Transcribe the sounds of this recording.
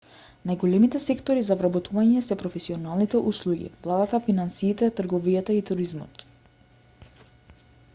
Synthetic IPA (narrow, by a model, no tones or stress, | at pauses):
najɡɔlɛmit̪ɛsɛkt̪ɔɾizavɾabɔt̪ʰuvaɲɛsɛpɾɔfɛsiɔnalˠnit̪ɛʔuslˠuɡḭvlˠad̪at̪afinansiːt̪ɛt̪r̩ɡɔvijat̪ait̪uɾizmɔ̰t̪